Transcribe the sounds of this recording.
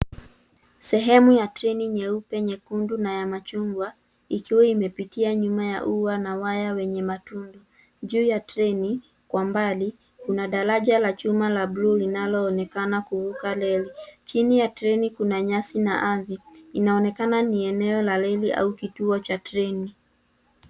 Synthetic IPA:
sɛɦɛmujatɾɛniɲɛupɛɲɛkundunajamat͡ʃuŋɡwa | ikiwɛimɛpitiaɲumaja̰ʔuwanawajawɛɲɛmatundɔ | ʄuːjatɾɛni | kwambali | kunaɗaɾaʄalat͡ʃumalablulinalɔːnɛkanakuvukalɛlit͡ʃinijatɾɛnikunaɲasinaʔaðiinaɔnɛkananiɛnɛɔlalɛliʔa̰ukituɔt͡ʃatɾɛni

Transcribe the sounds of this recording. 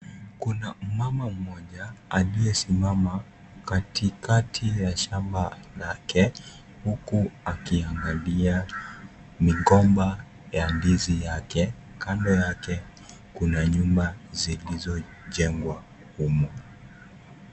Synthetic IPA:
kunam̩mamam̩mɔʄaaliɛsimama | katʰikatʰijaʃamba | lakʰɛ | hukuakiaŋɡalia | miɠɔmba | jandizijakɛ | kandɔjakɛ | kunaɲumbazilizɔ | ʄɛŋɡwa | humɔ

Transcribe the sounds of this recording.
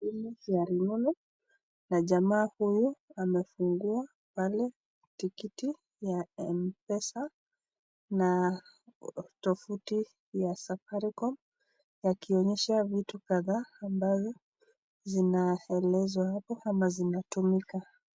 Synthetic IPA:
imijaɾinulu | naʄamaːhujuamɛfuŋɡua | palɛ | tikiti | jaɛmpɛsa | na | tɔfuti | jasafaɾikɔm | jakiɔɲɛʃavitukaðaːmbazɔ | zinaɛlɛzwahapɔamazinatumika

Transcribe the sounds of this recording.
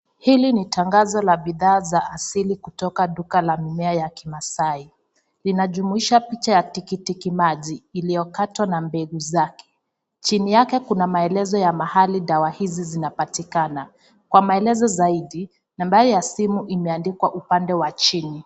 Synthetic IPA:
hilinitʰaŋɡazɔlaɓiðaːzaːsilikutɔkaɗukalamimɛajakimasai | linaʄumuiʃapit͡ʃajatikitikimaʄiːlijɔkatwanambɛɡuzakɛ̥ | t͡ʃinijakɛkunamaɛlɛzɔjamahaliɗawahizizinapatikana | kwamaɛlɛzɔzaiɗi | nambaɾijasimuʔimɛandikwaʔupandɛwat͡ʃini

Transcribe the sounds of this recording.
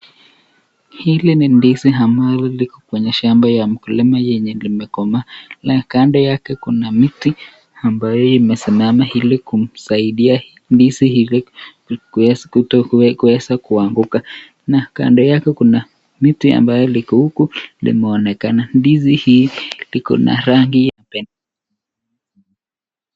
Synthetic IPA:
hilinindisiɦambalɔlikɔkwɛɲɛʃambajam̩kulimajɛɲɛlimɛkɔmalakandɔjakɛkunamiti | ambajɔimɛsimamahilikum̩saiɗia | ndisihili | kutkuwɛsakuaŋɡuka | naka̰ndɔjakɛkuna | mitwia̰mbajɔlikɔhukulḭmɛɔnɛkanandizihilikɔ̰nʔa̰ɾaŋɡijapɛna

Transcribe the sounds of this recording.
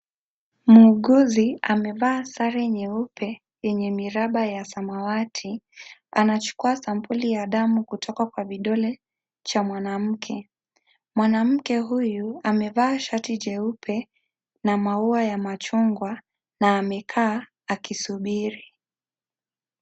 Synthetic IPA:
muːɠuziamɛvaːsaɾɛɲɛupʰɛ | jɛɲɛmiɾaɓajasamawatʰianat͡ʃu̥kuasampulijaɗamukutʰɔkakwaviɗɔlɛ | t͡ʃamwanam̩kʰɛ | mwanam̩kɛɦujuamɛvaːʃatid͡ʒɛupʰɛ | namauajamat͡ʃuŋɡwa | naːmɛkʰaː | kisuɓiɾi

